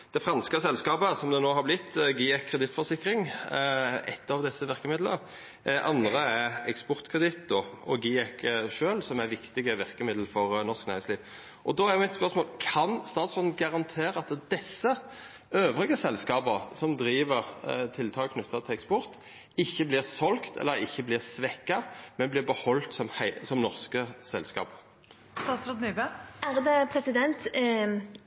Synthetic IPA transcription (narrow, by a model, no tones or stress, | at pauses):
d̪̥ɛfʁɑnskəsɛlskɑːpəsɔmd̪ɛnoːɦɑɾblɪt̪ːɡiːɛkʰːʁɛd̪ɪt̪fɔʁsɪkːʁɪŋ | ɛ̰t̪ʰːɑʋd̪ɛsːəʋɪʁkəmɪd̪lə̰ | ʔɑnd̪ʁəæɛkspɔʁt̪kʰʁɛd̪ɪt̪d̪ɔɔɡiːɛkːʂøːlsɔmæɾʋɪkt̪ɪɡəʋɪʁkəmɪd̪l̩fɔʁnɔʁʂknæ̰ɾɪsliːʋ | ʔɔd̪ɔhɑɾmɪt̪spœʁsmoːlkʰɑnst̪ɑːt̪sfɔnn̩ɡɑʁɑnt̪ʰeːɾəɑt̪d̪̥ɛsːə | øːʋʁɪɡəsɛlskɑːbəsɔmd̪ɾiːʋəʁt̪ʰɪlt̪ʰɑːlkʰnʉt̪ʰːɑt̪ʰɪlɛkspɔʁt̪ | ɪçːəblɪːʁsɔlkt̪ʰɛ̰lːəʁɪçːəblɪːʁsʋɛkːɑmɛnblɪːʁbəhɔlt̪sɔmhæɪsɔmnɔʁskəsɛlskɑ̰ːpə | st̪ɑːt̪ɾɑt̪nybəæʁd̪ɛpʰɾɛsɪd̪ɛnt̪